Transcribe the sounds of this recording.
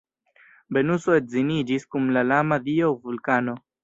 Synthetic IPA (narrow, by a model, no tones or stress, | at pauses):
be̞nusoetzinid͡ʒiskumlalamadiovulkano̞